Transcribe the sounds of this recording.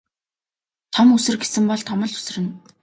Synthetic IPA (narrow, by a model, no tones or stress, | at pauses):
t̪ʰɔmusɘ̆rɡesɘ̆mpɔɮt̪ʰɔmɞ̆ɮu̥s̆rɘ̆n